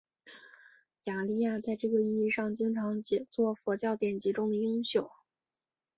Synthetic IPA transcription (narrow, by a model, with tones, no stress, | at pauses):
ja˨˩li˥˧ja˥˧t͡sa˥˧ɪʈ͡ʂɤ˥˩ɡə˩i˥˧i˥˧ʂɑ˥˩ŋt͡ɕi˥ŋʈ͡ʂʰɑ˧˥ŋt͡ɕjɛ˨˩t͡swɔ˥˩fɔ˧˥t͡ɕjɑ˥˩ʊt̪jɛ˨˩nt͡ɕi˧˥ʈ͡ʂʊ˥ŋd̪ə˨i˥ŋɕjo˨˩˦ʊ